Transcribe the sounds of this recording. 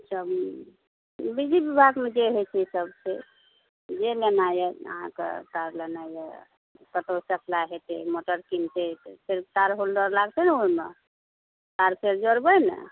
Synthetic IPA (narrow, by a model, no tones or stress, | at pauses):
t͡ʃəm | bid͡ʒibibʱaɡmed͡ʒeɦet͡ʃʰisəbse | d͡ʒelenajəə̰ɦã̰kḛt̪aɾlenajə̰ | pəʈosəkʰlaɦet̪emoʈəɾkint̪et̪sʰiɾbt̪aɾɦold̪əɾlaɡt̪ɛnuɾme | t̪aɾpʰeɾd͡ʒoɾbənə̰